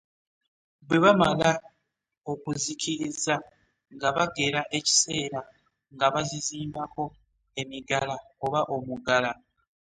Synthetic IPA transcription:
bwe̞βamala | o̞kuzicʰiɾiza | ŋɡaβaɡe̞ɾaʔe̞ci̥se̞ːɾa | ŋɡaβaziziːmbako̞ | e̞miɡalaoβaʔo̞muɡala

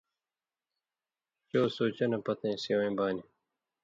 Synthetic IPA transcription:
t͡ɕoːsoːt͡ɕɐnɐpɐt̪ẽːsiwẽːbaːni

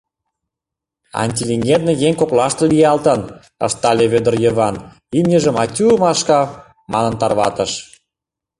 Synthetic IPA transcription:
ɑ̰nʲt̪ʲilʲiŋɡʲed̪̚nɤ̆jeŋʲkoklɑʃt̪ɤ̆lʲijɑlt̪ə̆n | ə̰ʃt̪ɑlʲeβød̪ə̆rjə̆βɑn | imnʲəʒə̆mɑtʲuəmɑʃkɑ | mɑnə̆nt̪ɑrβɑ̰t̪ə̆ʃ

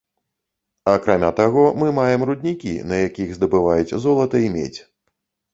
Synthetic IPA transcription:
akɾamʲat̪aɣɔmɨmajɛmɾud̪ʲnʲikʲḭnɐjakʲiɣzd̪ɐbɨvajut͡sʲzɔlˠɐt̪ɐimʲḛt͡sʲ

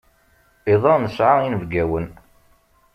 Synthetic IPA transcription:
iðˤɑnəsʕainəvɡæwən

